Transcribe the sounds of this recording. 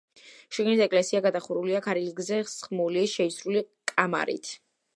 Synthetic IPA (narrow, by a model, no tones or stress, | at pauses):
ʃiɡnisɛkʼlɛsiaɡad̪aχuɾuliakʰaɾiliɡzɛsχmuliʃɛisɾulikʼama̰ɾḭt̪ʰ